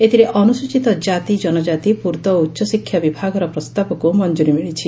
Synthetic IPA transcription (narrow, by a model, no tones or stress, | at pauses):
et̪iɾeʔɔnuswut͡ʃit̪ɔd͡ʒat̪id͡ʒɔnɔd͡ʒat̪ipuɾt̪ɔutːʃɔsikʰjabibʱaɡɔɾɔpɾɔst̪abɔkumɔnd͡ʒuɾimiɭit͡ʃʰi